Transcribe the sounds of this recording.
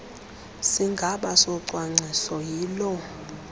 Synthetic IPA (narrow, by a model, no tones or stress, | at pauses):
siŋɡʱaɓasɔǀwaŋ͡ǀʱisɔjiːlɔ